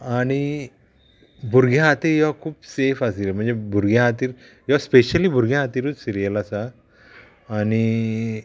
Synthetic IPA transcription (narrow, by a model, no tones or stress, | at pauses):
aɽ̃i | bʱuɾɡʱjaɦat̪iːɾjɔʋakʰuːpsefasiɾəm̤əɳnd͡zebʱuɾɡjãɦat̪iːɾ | jɔaspeɕəlibʱuɾɡʱjãɦat̪iɾut͡ssiɾijəlasaː | ñi